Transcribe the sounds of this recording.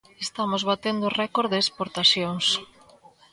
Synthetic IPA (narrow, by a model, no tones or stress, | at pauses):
est̪amozβat̪end̪ʊrɛkoɾðeːspoɾt̪asjoŋs